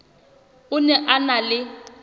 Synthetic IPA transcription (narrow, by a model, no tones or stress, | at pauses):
ʊnɛʔanalɪ